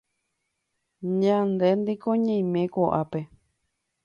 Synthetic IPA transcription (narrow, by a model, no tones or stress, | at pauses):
ɲãnd̪end̪ikoɲẽjmẽkoʔape